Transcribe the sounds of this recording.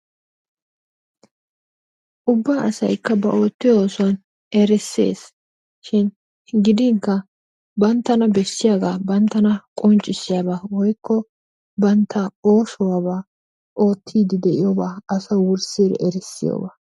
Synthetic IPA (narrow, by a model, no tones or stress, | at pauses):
ʔʊbːaːʔɐsɐ̰jkːɐbɐʔo̞ːt̪ːɪjoːsʊɐn | ɛɾɛsːḛːs | ʃɪn | ɡɪd̪ɪŋkːɐ | bɐnt̪ːɐnɐbɛsːɪjaːɡaːbɐnt̪ːɐnɐkʼɔnt͡ʃʼːɪsːɪjaːbaːwɔjkʰːɔ | bɐnt̪ʰːɐo̞ːʃɔwaːbaː | ʔo̞ːt̪ʰːiːd̪ɪd̪ɛʔɪjoːbaːɐsɐwʊɾsiːɾɛ̰ʔɛɾɛsːɪ̰jo̰ːbaː